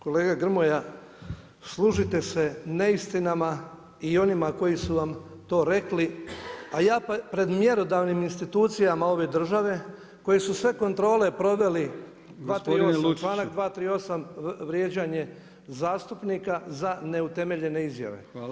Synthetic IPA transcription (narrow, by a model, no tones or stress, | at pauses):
ko̞le̞ːɡaɡr̩moja | slˠuʒit̪e̞se̞ne̞ist̪inama | io̞nimako̞jisuʋam | t̪o̞ːɾe̞kliajaːpɾe̞d̪mje̞ɾo̞d̪aʋniminst̪it̪uːt̪sijamao̞ʋe̞d̪r̩ʒaʋe̞ | ko̞jesusʋe̞ko̞nt̪ɾo̞ːle̞pɾo̞ʋe̞li | d̪ʋaːt̪ɾiomt͡ʃlaːnakd̪ʋaːt̪ɾiːo̞samʋɾjed͡ʑaɲe̞ | zaːst̪upnikazane̞ut̪e̞me̞ʎe̞ne̞izja̰ʋe̞̰